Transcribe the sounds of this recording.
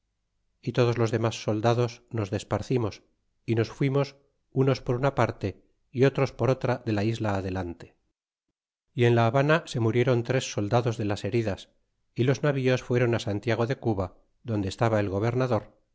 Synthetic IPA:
it̪o̞ð̞ozlo̞zðe̞masːo̞ld̪aðo̞sno̞zðe̞spaɾθimo̞s | ino̞sfwimo̞s | uno̞spo̞ɾunapaɾt̪e̞ | io̞t̪ɾo̞spo̞ɾo̞t̪ɾaðe̞laizlaːðe̞lant̪e̞̥ | ie̞nlaːβanase̞muɾje̞ɾo̞nt̪ɾe̞sːo̞ld̪aðo̞zðe̞lase̞ɾiðas | ilo̞znaβio̞sfwe̞ɾo̞nasant̪jaɣ̞o̞ðe̞kuβa | ðond̪est̪aβae̞lɣo̞β̞e̞ɾnaðo̞ɾ

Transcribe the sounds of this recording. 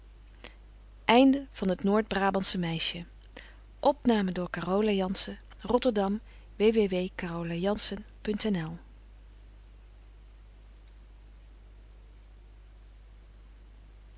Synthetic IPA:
ʔɛjndəv̥ɑnɦətnoːɹd̚braːbɑnsəmɛjʃə | ʔɔpnaːmədʊːɹkaːrowlajɑnsə | rɔtəɹdɑm | ʋejʋeʋejkaːrowlajɑnsənpɵntɛnɛlˠ

